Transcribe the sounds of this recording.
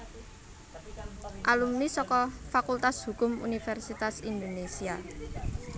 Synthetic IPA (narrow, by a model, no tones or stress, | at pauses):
ʔalumnisɔkɔfakult̪ashṳkʊmṵnifɛrsit̪asind̪onesia